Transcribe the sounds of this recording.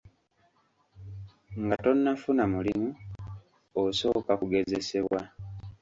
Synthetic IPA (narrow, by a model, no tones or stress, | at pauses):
ŋɡato̞nːafunamulimu | oso̞ːkakuɡe̞ze̞se̞βwa